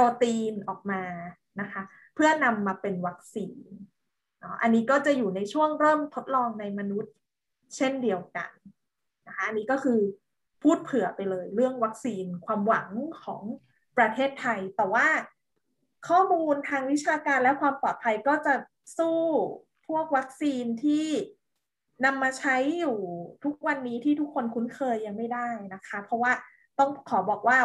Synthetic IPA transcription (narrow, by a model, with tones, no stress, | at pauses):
pɔː˧t̪iː˧nʔɔː˨˩k̚maː˧ | na˦˥kʰa˦˥ | pʰɯ˥˩əna˧mːaː˧pe˧nwa˦˥k̚siː˧n | ɔ˦˥ʔa˧nːiː˦˥kɔː˥˩t͡ɕa˨˩juː˨˩na˧jt͡ɕʰu˥˩əŋɾɤː˥˩mt̪ʰo˦˥t̪̚lɔː˧ŋna˧jma˧nu˦˥t̪̚ | t͡ɕʰe˥˩ndi˧əwka̰˧n | na˦˥kʰa˦˥ʔa˧nːiː˦˥kɔː˥˩kʰɯː˧ | pʰuː˥˩t̪̚pʰɯ˩˦ɐ˦pa˧jlɤː˧jɾɯ˥˩əŋwa˦˥k̚siː˧nkʰwaː˧mwa̰˩˦ŋkʰɔ̰ː˩˦ŋ | pɾa˧t̪ʰeː˥˩t̪ʰːa˧jt̪ɛː˨˩waː˥˩ | kʰɔː˥˩muː˧nt̪ʰaː˧ŋwi˦˥t͡ɕʰaː˧kaː˧nlɛ˦˥kʰwaː˧mpɔː˨˩t̪̚pʰa˧jkɔː˥˩t͡ɕa˨˩ | suː˥˩ | pʰu˥˩ək̚wa˦˥k̚siː˧nt̪ʰiː˥˩ | na˧mːaː˧t͡ɕʰa˦˥jːuː˨˩t̪ʰu˦˥k̚wa˧nːiː˦˥t̪ʰiː˥˩t̪ʰu˦˥kʰːo˧nkʰu˦˥nkʰɤː˧jːa˧ŋma˥˩jdaː˥˩jna˦˥kʰa˦˥pʰɾɔ˦˥waː˥˩ | t̪ɔ˥˩ŋkʰɔː˩˦bɔː˨˩k̚waː˥˩